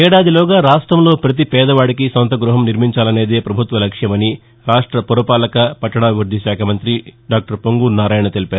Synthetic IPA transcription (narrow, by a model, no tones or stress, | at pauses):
ɛːɽaːd̪ilɔːɡaːɾaːʂʈɾɐmlo̞ːpɾɐt̪̬ipɛːd̪ɐʋaːɽikisɐnt̪ɐɡɾuɦɐmniɾmiɲt͡ʃaːlɐne̞ːd̪e̞ːpɾɐbʱut̪ʋɐlɐkʂjɐmɐni | ɾaːʂʈɾɐpɔɾɐpaːlɐkɐpɐʈːɐɳaːɡuɾd̪ʱiʃaːkʰɐmɐnt̪ɾiɖaːk̚ʈɐɾpoŋɡuɾnaːɾaːjɐɳɐt̪e̞lipaːɾu